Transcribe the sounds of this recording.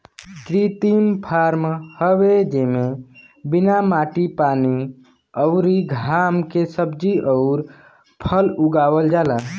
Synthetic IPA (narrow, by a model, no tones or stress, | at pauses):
kɾit̪impʰaɾmhəʋed͡ʒemẽ | binamaːʈipani | əʊɾiɡʱamkesəbd͡ʒiəʊɾ | pʰəluɡawəld͡ʒaːla